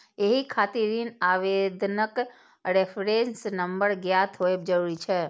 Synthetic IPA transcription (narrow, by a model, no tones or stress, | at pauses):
eɦikʰaːt̪iɾinaːʋed̪nək | ɾepʰɾensnəmbəɾɡjat̪ʰɦoeb̚d͡ʒəɾuːɾit͡ʃʰɛ